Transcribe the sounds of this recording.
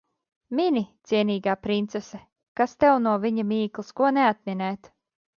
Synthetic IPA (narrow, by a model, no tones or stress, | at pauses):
mʲinʲit̪siɛnʲiːɡaːpɾint̪sɛsɛ | kast̪ɛwnuɔviɲamiːklˠiskuɔneat̪̚mʲinɛːt̪